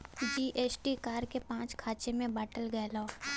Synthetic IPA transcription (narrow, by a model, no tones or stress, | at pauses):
d͡ʒiːʔeːsʈikaːɾkepãːt͡ʃkʰaːt͡ʃemẽbaːʈəlɡɛːloː